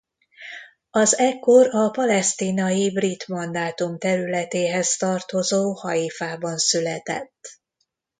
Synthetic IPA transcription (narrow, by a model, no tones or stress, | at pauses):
ɒzɛkːo̞ɾɒpɒlɛst̪iːnɒjibrit̪mɒnd̪aːt̪umt̪ɛɾylɛt̪eːɦɛst̪ɒrt̪o̞zoːhɒifaːbɒnsylɛt̪ɛ̰t̪ː